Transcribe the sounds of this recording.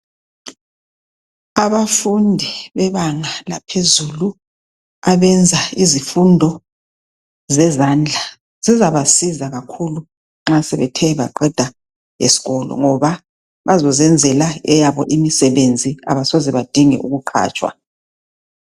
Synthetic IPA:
aβafundʱiβɛβaŋalapʰezulu | aβɛnd͡zʱaizifundʱɔ | zɛzaːnd͡ɮʱa | z̥izaβasizaɣakʰulu | ŋ͡ǁasɛβɛtʰɛβa̰ǃɛd̥ʱa | jḛsi̥ɣɔlɔ̰ŋɔβa | βazɔzɛnd͡zʱɛlaɛjaβɔʔimisɛβend͡zʱia̰βasozɛβad̥ʱiŋɛ̰ʔuɣuǃʰa̰ːt͡ʃʼwa̰

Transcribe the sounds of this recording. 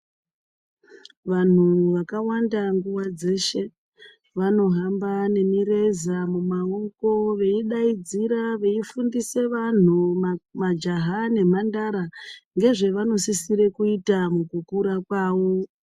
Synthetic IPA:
ʋan̤uʋakawandaŋɡuwad͡ze̞ːʃe̞ | ʋano̞ɦambane̞miɾe̞zamumaoko̞ʋe̞iɗaid͡ziɾaʋe̞ifundise̞ʋan̤umad͡ʒaɦane̞mandaɾaŋɡe̞ʐe̞ʋano̞sisiɾe̞kuitamukukuɾakwaːʋo̞

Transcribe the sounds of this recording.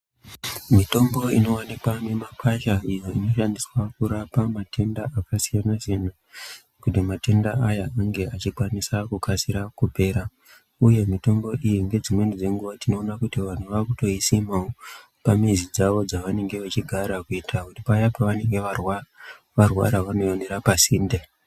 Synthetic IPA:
mito̞mbo̞ino̞wanikwane̞makʰaʃaijo̞ino̞ʃandiswakuɾapamate̞ndaakasijanaʐin̤u | kutimate̞ndaajaaŋɡe̞at͡ʃikwanisakukasiɾakupe̞ːɾa | uje̞mito̞ŋɡo̞ʔijiŋɡe̞d͡zimwe̞nid͡ze̞ŋɡuʋatino̞ːnakutiʋan̤uʋakuto̞isimao | pamizid͡zaʋo̞d͡zaʋane̞ŋɡe̞ʋat͡ʃiɡʱaɾakuitʰakutipajapaʋane̞ŋɡeʋarw | ʋarwa̰ɾaʋano̞joneɾapasiːnde

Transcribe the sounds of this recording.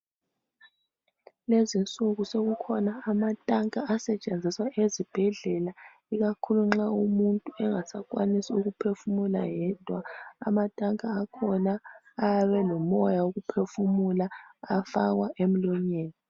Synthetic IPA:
lezint͡sʼuɣusoɣukʰɔnaːmatʼaŋkʼaːsɛt͡ʃʼend͡zʱiswaʔezib̥ʱɛɮɛla | iɣakʰuluŋ͡ǁaumuntʼuɛŋasakʼwanisiuɣupʰefumula̰jɛd̥ʱwaa̰matʼaŋkʼaːkʰɔnaː | aβɛlɔmɔjaoɣupʰefumulaafaɣwaʔem̩lɔɲeːni

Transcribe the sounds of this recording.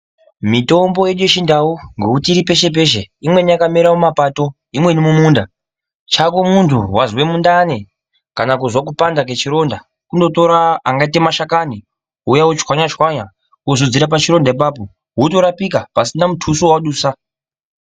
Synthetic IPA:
mito̞mbo̞je̞ɗujet͡ʃindawoŋɡekutiːɾipe̞ʃe̞p̬e̞ʃeimwe̞nijakameɾawomapato̞ | imwe̞nimumuːnda | t͡ʃakomuntʰuwazwe̞mundane | kanakuzwak̬upandake̞t͡ʃiɾo̞nda | kundo̞to̞ɾaaŋɡaite̞maʃakani | ujawot͡ʃkwaɲat͡ʃwaɲa | uzod͡ziɾapat͡ʃiɾo̞ndaip̬aːp̬o̞ | ɦuto̞ɾapikapasinamutʰusuwaɗuːsa

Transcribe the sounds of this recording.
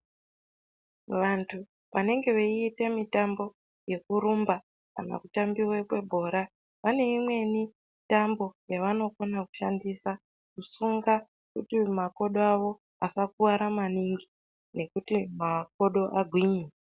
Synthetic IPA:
ʋantʰu | ʋane̞ŋɡe̞ʋeiːtemitambo̞ | je̞kuɾumba | ka̰na̰kutambiwekwe̞bʱo̞ːɾa | ʋane̞imwe̞ni | tambo̞jaʋano̞ko̞naku̥ʃandisa | kusuŋɡa | kutimako̞ɗoaʋo̞ | asakuwaɾamaniŋɡi | ne̞kutimak̚o̞ɗo̞ʔaɡʱwiɲe

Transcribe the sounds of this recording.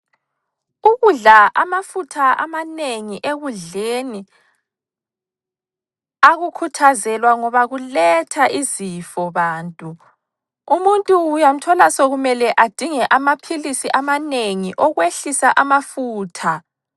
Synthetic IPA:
uɣuɮaʔamafutʰaa̰maneŋiʔeɣuɮeni | aɣukʰutʰazɛlwaŋɔβaɣulɛtʰaʔizifɔβaːntʼu | umuntʼuːjam̩tʰɔlasoɣumɛlɛʔad̥ʱiŋɛʔamapʰilisiʔamaneŋiʔɔɣweɬisaʔamafuːtʰa

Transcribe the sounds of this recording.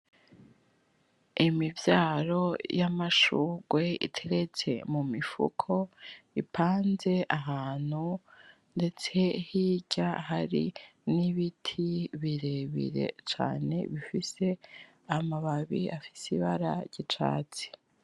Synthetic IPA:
imivjaːɾo̞jamaʃuːɡwe̞ḭtʰe̞ɾe̞t͡se̞̰mumifṵkʰo̞ipʰaːnze̞ʔaɦaːn̥hu | nde̞t͡se̞hiɟ̥aɦaɾḭniβitʰiβiɾeβḭɾe̞̰t͡ʃa̰ːne̞̰βifise̞ | amaβaβḭafi̥siβaɾa̰ɾɟ̥it͡ʃa̰ːt͡si̥

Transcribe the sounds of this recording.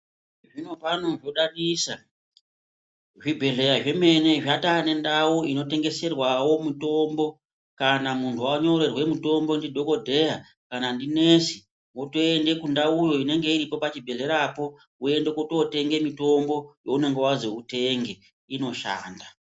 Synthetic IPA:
ʐino̞pano̞ʐo̞ɗaɗisa | ʐibʱe̞ɮe̞ɾaʐe̞me̞ne̞ʐatane̞ndawuino̞te̞ŋɡe̞se̞rwawo̞muto̞mbo̞ | kanamuntʰuaɲo̞re̞rwe̞muto̞mbo̞ndidʱo̞ko̞dʱe̞ja | kanandine̞si | ŋotoende̞kundaujo̞ine̞ŋɡe̞iɾipo̞pat͡ʃibʱe̞ɮe̞ɾapo̞ | ue̞ndekotote̞ŋɡe̞mito̞mbo̞jo̞une̞ŋɡe̞wazo̞ute̞ŋɡe | ino̞ʃa̰ːnda

